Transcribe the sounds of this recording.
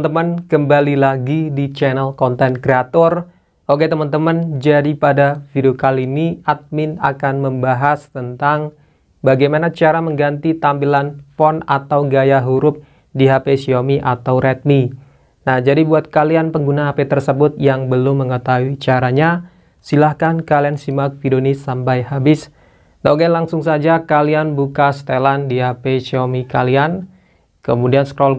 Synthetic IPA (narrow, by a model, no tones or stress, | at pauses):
t̪əmənkəmbalilaɡidit͡ʃɛnəlkɔnt̪ɛnkɾeat̪ɔr | ʔoɡɛt̪əmant̪əmənd͡ʒadipadafideokaliniat̪̚mɪna̰kanməmbaɦast̪ənt̪aŋ | baɡajmanat͡ʃaɾaməŋɡant̪it̪ambilanfɔna̰t̪awɡajaɦuɾʊp̚ | diɦapesiomiʔat̪awɾɛt̪̚mi | nahd͡ʒadibuat̪̚kalianpəŋɡunaɦapet̪ərsəbʊt̪̚jaŋbəlʊmːəŋət̪aɦuit͡ʃaɾaɲa | silahkankaliansimak̚fidonisampajhabɪs | daɡalaŋsʊŋsad͡ʒakalianbukast̪elandiɦapesiomikalian | kəmudianskɾɔl